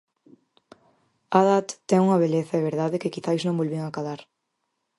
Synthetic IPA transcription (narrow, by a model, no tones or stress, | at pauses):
aðat̪ːɛŋuŋɐβ̞eleθɐɛβ̞eɾðaðɪkɪkiθajznõŋbolβiŋakaðaɾ